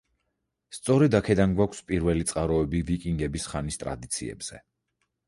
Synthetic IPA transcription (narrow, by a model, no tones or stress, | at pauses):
st̪sʼɔɾɛd̪akʰɛd̪anɡwakʷʰspʼiɾvɛlit̪sʼqʼaɾɔɛbivikʼiŋɡɛbisχanist̪ʼɾa̰d̪it̪sʰḭɛ̰bz̥ɛ̰